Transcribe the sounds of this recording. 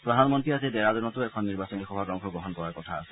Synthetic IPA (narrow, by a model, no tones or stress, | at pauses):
pɾɔd̪ʱanmɔntɹiased̪ɛɾad̪ɔnmɔt̪uɛkʰɔnːiɾbasɔnixɔbʱaɡɾɔŋkʰɔɡɾɔɦɔnkɔɹaɹkɔt̪ʰaːse